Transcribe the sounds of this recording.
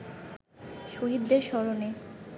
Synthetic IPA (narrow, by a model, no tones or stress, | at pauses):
ʃoɦid̪ːeɾʃɔɾone